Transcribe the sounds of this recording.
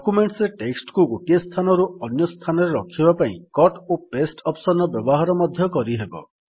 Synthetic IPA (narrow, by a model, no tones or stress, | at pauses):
ɔkumeɳʈsɾeʈeksʈkuɡoʈiest̪ʰanɔɾuɔnjɔst̪ʰanɔɾeɾɔkʰibapaḭ̃kɔʈopesʈɔpsɔnɔbjɔbɔɦaɾɔmɔd̪ʱjɔkɔɾiɦebɔ̰